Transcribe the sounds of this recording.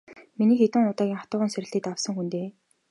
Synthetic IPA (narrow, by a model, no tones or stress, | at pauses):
miniːxet̪ɘ̆ŋʊt̪aːɣʲiŋχḁt̪ʊːʁə̆nsæɾʲɪ̆ɬt̪iːt̪aw̥sə̆ŋxunt̪eː